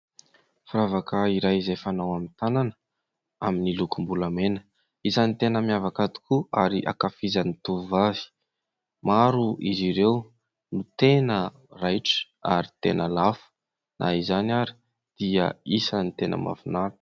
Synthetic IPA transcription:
fɾavakəiɾajizajfanawamint̪ananə | aminilukumbulamenə̥ | isanit̪enəmiavakad̪i̥kuaɾiʔa̰kafizanit̪uvavi̥ | maɾuʔiziɾew | nut̪enə | rajʈ͡ʂə̥ | a̰ɾi̥t̪ḛnəlafu̥ | nʔa̰izanaɾi̥ | d̪̥iə̰isənit̪enʔə̰ma̰vunaɾ̥

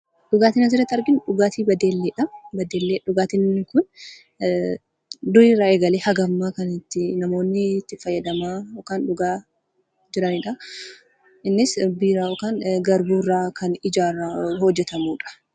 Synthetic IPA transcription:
ᶑʊɡaːt̪ɪnɐd͡ʒɪɾɐt̪ːɐɾɡɪnᶑʊɡaːt̪iːbɐd̪eːlːeːᶑɐbɐd̪eːlːeːᶑʊɡaːt̪ɪnːɪkʊn | d̪ʊɾiːrːɐʔeːɡɐleːhɐɡɐmːaːkɐnɪt̪ːɪnɐmo̞ːnːɪt̪ːɪfɐjːɐd̪ɐmaːɔkaːnᶑʊɡaː | d͡ʒɪɾɐniᶑɐ | ʔɪnːɪsbiːɾaːɔkaːnɡɐɾbuːrːaːkʰɐnɪd͡ʒaːɾɐhɔd͡ʒːɛt̪ɐmuːᶑɐ̥

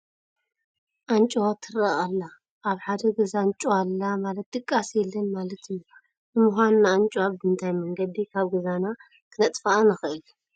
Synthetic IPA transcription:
ʔant͡ʃʼwat̪ʰɨɾaʔalːa | ʔaβħad̪ɐɡɐzant͡ʃʼuwalːamalɐt̪̚d̪ʼɨkʼːasjɛlːɐnmalɐt̪ɨju | bɨmuxʷannaːnt͡ʃʼwabɨɨnt̪ʰajmɐŋɡɐd̪ikʰaβɡɨzana | kʰɨnɐt̪ʼfaʔanaxɨʔɨlu

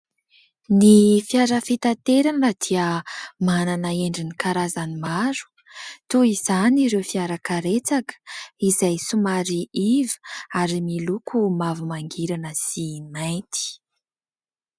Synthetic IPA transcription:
nifiaɾəfit̪at̪eɾanad̪̥iəmananəeɳɖ͡ʐinikaɾazanimaɾu̥ | t̪uiz̥aniɾewfiaɾakaɾet͡sakə̥izajsumaɾiivəaɾimilukʰumavumaŋɡiɾanəsinajnt̪i̥

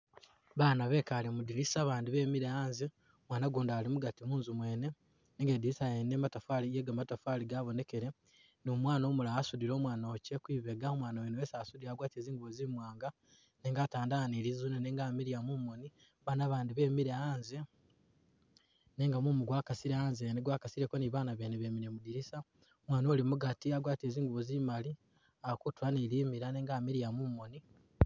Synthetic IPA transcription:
βaːnaβe̞ːkalimudiɾisaːβaːndiβe̞ːmiɾeaːnze | omwaːnaɡuːndaːlimuɡatimuːnzumwe̞ːne̞ | neːŋɡediɾisajeneːmatafalijeɡamatafaliɡaːβo̞ne̞ke̞ɾe̞ | nomwaːno̞ːmulaːsudiɾo̞ːmwaːnocekwiːβeɡaomwaːnawenoweːsasudiaːɡwaːtieːziːŋɡuβozimwaːŋɡa | neːŋɡaːtaːndanilizuneneːŋɡaːmiɾijamumoni | βaːnaβaːndiβe̞ːmiɾeaːnze̞ | ne̞ːŋɡamumuɡwakasiɾeaːnzeneɡwaːkasiɾekoniβaːnaβeneβeːmiɾemudiɾisa | omwaːno̞ːlimuɡatiaɡwaːtieziːŋɡuβozimali | akutuwaniliːmiɾaneːŋɡaːmiɾijamumoni

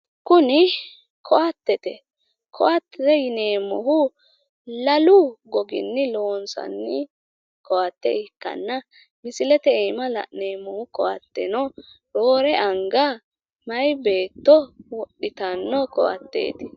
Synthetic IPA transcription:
kʊnɪ | kʰɔʔat̪ːɛt̪ɛ | kʰɔʔat̪ːɛt̪ɛjɪneːmːɔhʊ | lɐlʊɡɔɡɪ̰nːɪlo̞ːnsɐ̰nːɪ | kɔat̪ːɛ̰ɪkːɐ̰nːɐ | mɪsɪlɛt̪ɛɛjmɐlɐ̰neːmːɔhʊkɔwɐt̪ːɛnɔ | ɾoːɾɛʔɐŋɡa | mɐjbe̞ːt̪ːɔwɔɗɪt̪ɐnːɔkɔ̰wɐ̰t̪ːḛːt̪ɪ

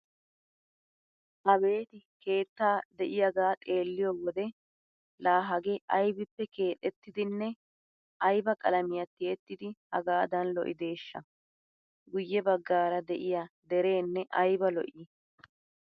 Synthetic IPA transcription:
ʔɐbe̞ːt̪ɪke̞ːt̪ːaːd̪ɛʔɪjɐɡaːt̪ʼe̞ːlːɪjɔwɔd̪ɛ | laːɦɐɡɛʔɐjbɪpːɛke̞ːt̪ʼːɛt̪ːɪd̪ɪnːɛ | ɐjbɐkʼɐlɐmɪjɐt̪ːɪɛt̪ːɪd̪ɪhɐ̰ɡaːd̪ɐnlɔ̰ʔɪd̪e̞ːʃːɐ | ɡʊjːɛbɐɡːaːɾɐd̪ɛʔɪjɐd̪ɛɾe̞ːnːɛʔɐjbɐlɔ̰ʔi

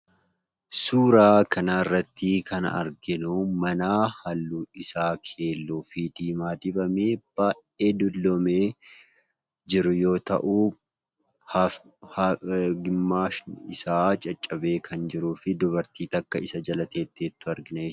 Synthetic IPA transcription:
suːɾaːkʰɐnaːɪrːɐt̪ːɪkʰɐnɐɐ̰ɾɡɪnumɐnaːhɐlːuːɪsaːkʰe̞ːlːuːfɪd̪iːmaːd̪ɪbɐmeːb̥aːʔe̞ːd̪ʊlːomeː | d͡ʒɪɾʊjo̞ːt̪ɐ̰ʔuː | ɡɪmːaːʃnɪsaːt͡ʃʼɐt͡ʃʼːɐbe̞ːkʰɐnd͡ʒɪɾuːfɪd̪ʊbɐɾt̪iːt̪ɐkːɐɪsɐd͡ʒɐlɐt̪e̞ːt̪ːeːt̪ːʊɐɾɡɪnɐ

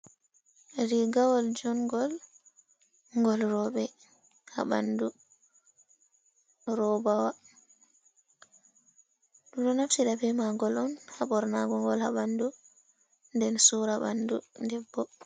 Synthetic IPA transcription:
ɾiɡawɔld͡ʒɔnɡɔl | ŋɡɔlɾɔɓɛ | ha̰ɓa̰ndu | ɾɔbawa | ɗumɗɔnaftiɗabɛmaŋɡɔlɔnhaɓɔɾnaɡɔŋɡɔlhaɓandu | ndɛnsuɾaba̰ndundɛbːɔ

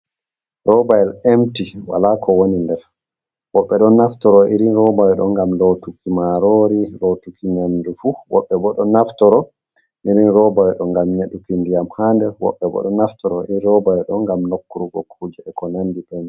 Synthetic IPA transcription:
ɾɔbajɛlemtiwa̰lakʰɔwonindɛɾ | wɔɓːɛɗɔnːaftɔɾɔʔiɾinɾɔbajɛɗɔŋɡamlotukimaɾoɾilotukinandufuwɔ̰ɓːɛbɔɗɔnaftɔɾɔ | niɾinɾɔbajɛɗɔŋɡamɲeɗukindijamhandɛwɔ̰ɓːɛbɔ̰ɗɔnaftɔɾɔʔiɾɾɔbajɛɗɔnŋɡamnokːuɾuɡɔ̰kʰud͡ʒɛɛkɔnanːdiɗɔn

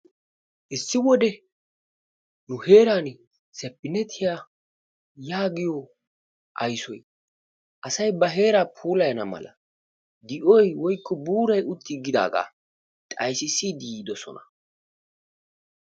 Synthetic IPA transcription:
ʔɪsːɪwɔd̪ɛ | nʊhe̞ːɾaːn | sɛpːɪnɛt̪ʰːɪjaː | jaːɡɪjɔ | ʔɐjsɔj | ʔɐsɐjbɐɦe̞ːɾaːpʰuːlɐjɐnɐmɐ̰lɐ̰ | d̪ɪʔɔjwɔjkːɔbuːɾɐjʊt̪ʰːɪɡɪd̪a̰ːɡa̰ː | t̪ʼɐjsɪsid̪iːd̪ɔsɔ̰nɐ̥

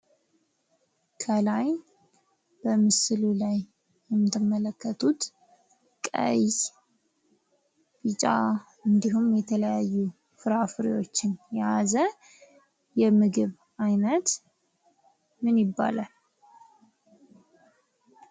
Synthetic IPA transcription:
kʰəlaj | b̥əmɨsɨlulaj | jɛmːɨt̪ʰːɨmːələkːət̪ʰut̪ | kʼə̰j | b̥it͡ʃʼa | ɨnd̪iɦumjɛt̪ʰələjajːu | fɨɾafɨɾḭwo̞t͡ʃːɪnjazə | jɛmɨɡɨβ | ajnət̪ | mɨnjɪbːa̰lal

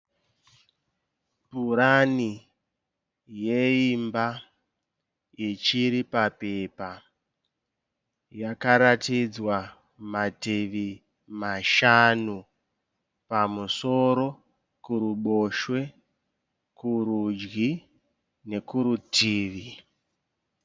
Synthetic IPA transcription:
puɾani | je̞imba | it͡ʃiɾipape̞pa | jakaɾatid͡zwa | matiʋi | maʃanu | pamuso̞ɾo̞ | kuɾuɓo̞ʃwe̞ | kuɾud͡ʒɡi | ne̞kuɾutʰiːʋi

